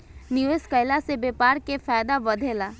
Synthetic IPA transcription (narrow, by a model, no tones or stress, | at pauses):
nioskəjlasebeːpaːɾkefaːjd̪aʋəd̪ʱelaː